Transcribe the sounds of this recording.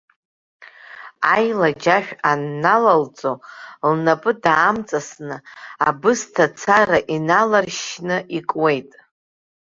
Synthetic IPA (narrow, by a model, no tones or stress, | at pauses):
ajlad͡ʒaʃᶣanːalalt͡sʼolnapʼɨdaːmt͡sʼasnɨabɨstʰat͡sʰaraʔinalarʃnɨʔikʼwe̞jtʼ